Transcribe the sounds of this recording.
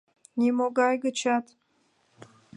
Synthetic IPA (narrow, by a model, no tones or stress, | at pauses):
nʲimoɡɑjɡət͡ɕɑt̪